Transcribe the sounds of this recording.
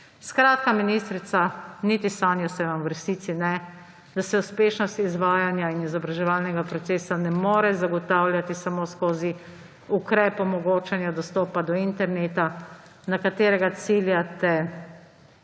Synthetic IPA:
skɾaːt̪kaminist̪ɾit̪sanit̪isaːnjɔsɛʋamʋɾsiːt̪sinɛ | d̪asɛuspeːʃnɔst̪izʋaːjanjainizɔbɾaʒɛʋalnɛɡapɾɔt̪seːsanɛmoːɾɛzaɡɔt̪aːwljat̪isamoskoːzi | ukɾɛːpɔmɔɡoːt͡ʃɛnjad̪ɔst̪ɔːpad̪ɔint̪ɛɾneːt̪a | nakat̪eːɾɛɡat̪siljat̪ɛ

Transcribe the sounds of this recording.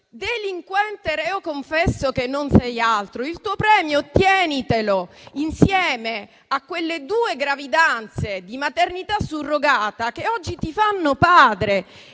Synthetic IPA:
d̪eliŋkwɛnt̪eɾɛokoɱfɛsːokenːonsɛjalt̪ɾoilt̪uːopɾɛːmjot̪jɛːnit̪eloinsjɛːme | akːwelːed̪uːeɡɾavid̪ant̪sed̪imat̪ernit̪asːurːoɡaːt̪akeɔd͡ʒːit̪ifanːopaːd̪ɾe

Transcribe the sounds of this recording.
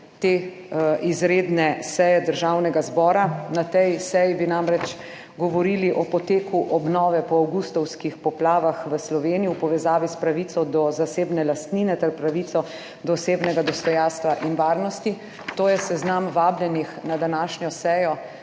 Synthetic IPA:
t̪eːʔizɾeːd̪nɛsɛjɛd̪əɾʒawnɛɡazbɔːɾanat̪ɛjsɛjibinamɾɛt͡ʃ | ɡɔʋɔɾiliʔɔpɔt̪eːkʰuʔɔbnɔːʋɛpɔawɡust̪ɔwskixpɔplaːʋaxʋəslɔʋenijiwpɔʋɛzaːʋispɾaʋit̪ɔd̪ɔzaseːbnɛlast̪niːnɛt̪ɛɾpɾaʋit̪sɔ | d̪ɔːseːbnɛɡad̪ɔst̪ɔjanst̪ʋaʔinʋaːɾnɔst̪i | t̪oːjɛsɛznamʋaːblʲjɛnixnad̪anaːʃɲɔsɛjɔ

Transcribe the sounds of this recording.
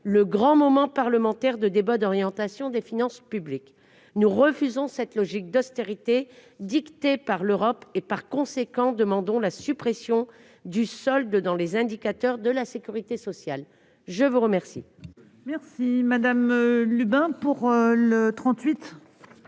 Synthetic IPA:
ləɡʁɑ̃mɔmɑ̃paʁləmɑ̃t̪ɛʁd̪əd̪ebad̪ɔʁjɑ̃t̪asjɔ̃d̪efinɑ̃spyblik | nuʁəfyzɔ̃sɛt̪lɔʒik̚d̪ɔst̪eʁit̪ed̪ikt̪epaʁløʁɔpepaʁkɔ̃sekɑ̃d̪əmɑ̃d̪ɔ̃lasypχesjɔ̃ | d̪ysɔld̪d̪ɑ̃lezɛ̃d̪ikat̪œʁd̪əlasekʲyʁit̪esɔsjal | ʒəvuʁəmɛʁsḭ | mɛʁsimad̪amlybɛ̃puʁlət̪χɑ̃t̪ɥit̪

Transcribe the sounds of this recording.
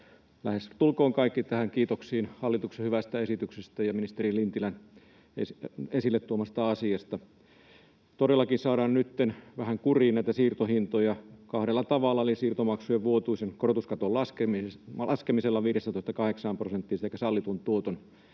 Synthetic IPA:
læhest̪ulkoːŋkɑikːit̪æhæŋkiːt̪oksiːnhɑlːit̪uksehyʋæst̪æesit̪yksest̪æjɑminist̪erilint̪ilæn | esesilːet̪t̪uomːˑɑst̪ɑɑsiɑst̪ɑ | t̪oɾelːˑɑkinsɑːɾɑːnnyt̪ːenʋæhæŋkuriːnnæˑit̪æsiːrt̪ohint̪ojɑkɑhɾelːɑt̪ɑʋɑlːɑlisiːrt̪omɑksujeʋʋuot̪uisenkort̪uskɑt̪ollɑskelɑskemiselːɑʋiːɾestːænt̪oˑest̪ɑkɑheksɑmprosent̪ːiːseˑikæsɑlːit̪unt̪uot̪on

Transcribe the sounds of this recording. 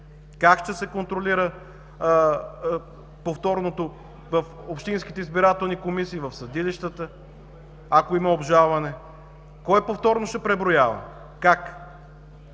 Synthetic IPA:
kakʃt̪ɛsɛkont̪ɾoliɾə | poft̪ɔɾnot̪o | vəf | opʃt̪inski̥t̪ɛizbiɾat̪ɛlˠnikomisiːvɐfsɐd̪iliʃt̪ət̪ə | akoimɐobʒalˠvɐnɛ | kɔjpoft̪ɔɾnoʃt̪ɛpɾɛbɾojavə̰ | kak

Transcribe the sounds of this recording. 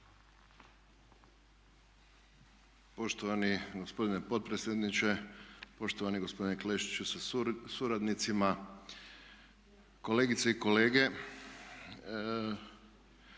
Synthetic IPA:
po̞ʃt̪oʋaniɡo̞spo̞d̪ine̞po̞t̪̚pɾesʲjed̪nit͡ʃe̞po̞ʃt̪oʋaniɡo̞spo̞d̪inekleʃi̥t͡ʃusasuɾad̪nit̪sima | ko̞leːɡit̪seiko̞le̞ːɡe̞

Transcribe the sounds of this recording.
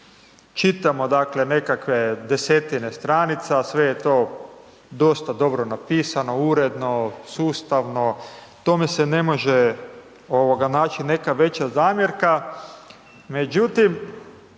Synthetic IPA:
t͡ʃit̪amo̞d̪akle̞ne̞kakʋe̞d̪e̞set̪ine̞st̪ɾaːnit̪sasʋe̞jet̪o̞ː | d̪o̞st̪ad̪o̞bɾonapiːsano̞uɾe̞d̪no̞suːst̪aʋno̞ | t̪omesene̞mo̞ʒe | o̞ʋoɡanaːt͡ʃine̞kaʋe̞t͡ɕazaːmʲjeɾka | me̞d͡ʑut̪im

